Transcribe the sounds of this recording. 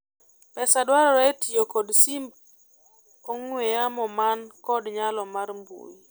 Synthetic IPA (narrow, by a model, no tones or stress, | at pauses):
pɛsadwaɾɔɾɛtijokɔdsimb | oŋwejamɔmankɔdɲalɔmaɾmbṵji